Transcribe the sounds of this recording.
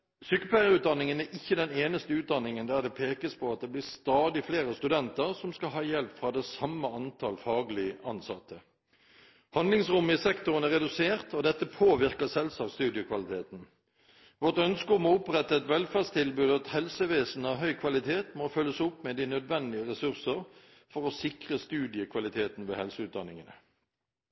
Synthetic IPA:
syːkəpʰlæɪəʁʉːt̪̚d̪ɑnɪŋənæɾʔɪçːəd̪ɛneːnəst̪əʉːd̪ɑnːɪŋənd̪æʁd̪ɛpʰeːkəspʰɔɑt̪̚d̪ɛblɪʁst̪ɑːd̪ɪfleːɾəst̪ʉd̪ɛnt̪əʁsɔmskɑɦɑːjɛlpfɾɑːd̪ɛsɑmːəɑnt̪ʰɑlfɑːɡlɪəʔɑnsɑt̪ʰːə | hɑnd̪lɪŋsʁʊmːəɪsɛkt̪ʊʁənæʁɛd̪ʉseːʁt̪ɔd̪ɛt̪ːəpʰoːʋɪʁkəsɛlsɑːkst̪ʉːd̪ɪʊkʰʋɑlɪt̪ʰeːt̪n̩ | ʋɔʁt̪œnskəɔmɔʊpʁɛt̪ːəɛt̪ʋɛlfæʁst̪ʰɪlbʉːd̪ɑt̪hɛlsəʋeːsn̩ɑʋɦœʏkʰʋɑlɪt̪ʰeːt̪moːfœlːəsʊpmɛd̪iːnœd̪ʋɛnd̪ɪəʁɛsʉʁsəʁ | fɔʁɔsɪkʁəst̪ʉːd̪ɪəkʰʋɑlɪt̪ʰeːt̪n̩ʋeːhɛlsəʉːt̪̚d̪ɑnːɪŋənə̰

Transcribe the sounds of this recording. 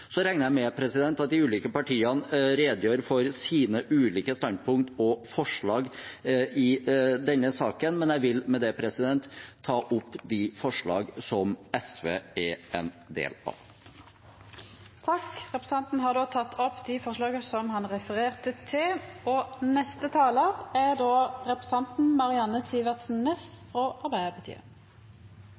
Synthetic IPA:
sɔɾɛŋnəɾjæɪmɛpʰɾɛsɪd̪ɛnt̪ɑt̪̚d̪ɪʉːliːkəpɑʈiːənɾeːd̪jøːɾfɔɾsiːnəʔʉːliːkəst̪ɑn̚pʰʊŋt̪ɔfɔʂɭɑːɡ | ɪd̪ɛnːəsɑːkənmɛnjæɪʋɪlmɛd̪ɛpʰɾɛsɪd̪ɛnt̪ʰːɑːʔʊpːd̪ɪfɔʂɭɑ̰ːɡsɔmɛsʋḛːɛɛ̰nd̪ḛːlɑ̰ʋ | t̪ʰɑkʁɛpɾəsɑnt̪n̩ɦɑʁd̪oːt̪ʰɑt̪ʰːɔpːd̪ɪfɔʁʂɭɑːɡəsɔmhɑnʁɛfəʁeːʁt̪ət̪ʰɪlɔnɛst̪ət̪ʰɑːləʁæʁd̪oːʁɛpʁɛsɑnt̪n̩mɑʁɪɑnəsiːʋəʁt̪sn̩nɛsfʁoʔɑʁbæɪd̪əpʰɑt̪ʰḭːə̰

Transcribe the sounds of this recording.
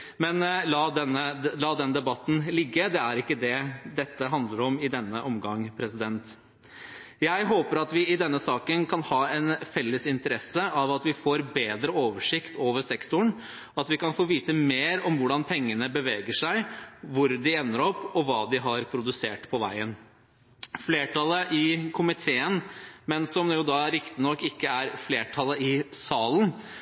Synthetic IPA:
mɛnlɑːd̪ɛnːəlɑːd̪ɛnd̪ɛbɑt̪ːn̩lɪɡːəd̪ɛæɾɪkːəd̪ɛd̪ɛt̪ːəɦɑnd̪ləɾɔmɪd̪ɛnːəʔɔmɡɑŋːpʰɾɛsɪd̪ɛnt̪ | jæɪɦoːpəɾɑt̪ʋɪɪd̪ɛnːəsɑːkənkʰɑnhɑːɛnfɛlːəsɪnt̪əɾɛsəɑʋɑt̪ʋɪfoːɾbeːd̪ɾəoːʋəʂɪkt̪ʰoːʋəʂɛkt̪ʊɳ | ɑt̪ʋɪkɑnfoːʋiːt̪əmeːɾɔmʋʊɖɑnpʰɛŋːənəbəʋeːɡəʂæɪʋʊɾd̪ɪɛnːəɾɔpːɔʋɑːd̪ɪɦɑɾpʰɾʊd̪ʉseːʈpʰɔʋæ̰ɪən | fleːʈɑləʔɪkʰʊmɪt̪ʰeːənmɛnsɔmɛjʊd̪ɑɾɪkt̪ɪnɔkːɪkːəæɾfleːʈʰɑlːəɪsɑːln

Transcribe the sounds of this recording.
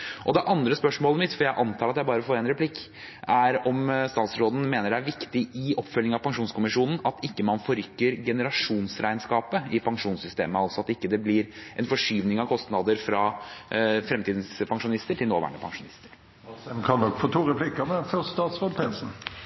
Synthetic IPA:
ʔɔd̪ɛʔɑnd̪ɾəspœʂmoːləmɪt̪fɔɾjæɪʔɑnt̪ʰɑːɾɑt̪jæɪbɑːɾəfoːɾɛɪnɾɛplɪkː | ʔæɾɔmst̪ɑːt̪sɾoːd̪n̩meːnəɖɛæɾʋɪkt̪ɪɪʔɔpːfœlnɪŋɑʋpʰɑŋʂuːnskʊmɪʂuːnn̩ɑt̪ɪkːəmɑnfɔɾʏkːəɾɡɛnəɾɑʂuːnsɾʔæɪnskɑːpəɪpʰɑŋʂuːnsʏst̪ḛːməɑlsɔɑt̪ɪkːəd̪ɛblɪɾʔɛnfɔʂyːʋnɪŋɑʋkʰɔst̪nɑd̪əɾfɾɑ | fɾɛmt̪iːd̪n̩spʰɑŋʂʊnɪst̪əʈʰɪlnoːʋæ̰ːɳəpʰɑ̰ŋʂʊnɪst̪əɾ | ɛmkʰɑnːɔkːfoːt̪ʰuːɾɛpʰlɪkːɑmɛfɔst̪ɑːt̪sɾoːd̪̚pʰɾɛnsn̩

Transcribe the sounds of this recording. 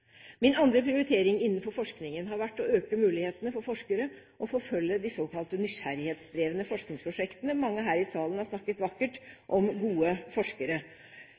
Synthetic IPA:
mɪnɑnd̪ɾəpʰɾɪʊɾɪt̪ʰeːɾɪŋɪnːn̩fɔɾfɔʂknɪŋənɦɑɾʋæʈːɔøːkəmʉːlɪheːt̪ənəfɔɾfɔʂkəɾə | ʔɔfɔɾfœljːəd̪ɪsoːkʰɑlt̪ənʏɕæɾɪheːt̪sd̪ɾeːʋənəfɔʂknɪŋspʰɾʊʂɛkt̪ənəmɑŋːəɦæːɾɪsɑːlən̩hɑɾʂsnɑkːət̪ʋɑkːəʈʔɔmɡuːəfɔʂkəɾə

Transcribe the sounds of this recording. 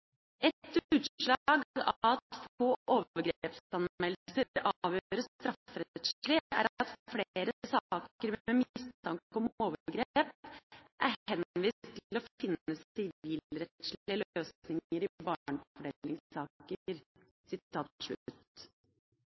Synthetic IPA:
ɛt̪ʉːt̪ʂɭɑːɡɑt̪oːʔoːʋəɡɾeːpsɑnmɛl̩səɾɑːʋjøːɾəst̪ɾɑfɾɛt̪ʂɭɪæ̰ɾɑt̪fleːɾəsɑːkəɾɛmɪst̪ʰɑŋkɔmoːʋəɡɾep̚ʔæɾhɛnʋiːst̪ʰːlɔfɪnːəst̪ɪliːlɾɛt̪ʂlɪəløːsnɪŋəɾɪbɑːɳfɔɖeːlːɪŋsɑːkəɾ | sɪtt̪ʰɑːt̪̚ʂɭʉ̰t̪

